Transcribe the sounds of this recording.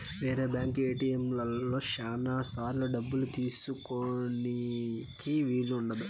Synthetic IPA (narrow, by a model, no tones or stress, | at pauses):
ʋeːɾeːbjaːŋkeːʈiemlɐlːo̞ːʃaːnaːsaːɾlɐɖɐbːulut̪iːsukonikiʋiːluːɳɖɐd̪u